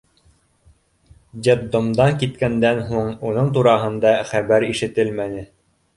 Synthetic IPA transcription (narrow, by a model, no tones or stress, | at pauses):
d̪ʲed̪ŏmd̪ɑŋkit̪kænd̪ænɦuɴunɤɴt̪uɾɑɦɤ̆nd̪ɑχæβæɾiʃɘ̆t̪ɘlmænɘ